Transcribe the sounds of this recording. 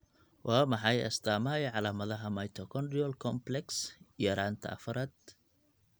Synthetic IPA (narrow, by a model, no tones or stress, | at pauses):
wʔɑːmɑħɑjɐ̰st̪ʰaːmɐɛʕɑlaːmɐðɐɦɐmɐjt̪ʰɔkʰɔnɖɪɔlkʰɔmplɛksjɾaːnt̪ʰɐ̰ɐ̰fɐɾaːd̪̚